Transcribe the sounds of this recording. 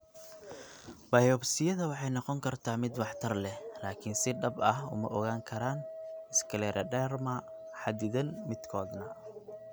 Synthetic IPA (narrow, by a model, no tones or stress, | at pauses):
bɐjɔbsɪjɐðɐwɑħɑjnɔqɔŋkʰɐrt̪ʰaːmɪd̪wɑħt̪ʰɐrlɛhlaːkʰɪnsɪɖɐbɐhʊ̰mɐ̰ʔɔɣaːŋkʰɐɾaːnɪskʰɐlɛːɾʔɐɖɛːrmɐ | ħɑd̪ɪðɐnmɪd̪kʰɔːd̪nɐ